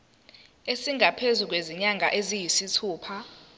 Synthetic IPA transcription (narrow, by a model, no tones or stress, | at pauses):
esiŋɡʱapʰezuk̬weziɲaŋʱaʔezijisitʰuːpʰa